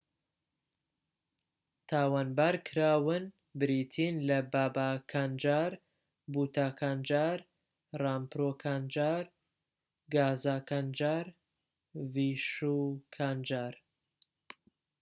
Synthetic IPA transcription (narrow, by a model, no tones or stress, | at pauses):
t̪ʰaːwaːnbaːɾkʰɨɾaːwɨn | bɾiːt̪ʰiːnlɐbaːbaːkʰaːnd͡ʒaːɾ | buːt̪ʰaːkʰaːnd͡ʒaːɾ | raːmpɾoːkʰaːnd͡ʒaːɾ | ɡaːzaːkand͡ʒaːɾ | viʃuːkʰaːnd͡ʒaːɾ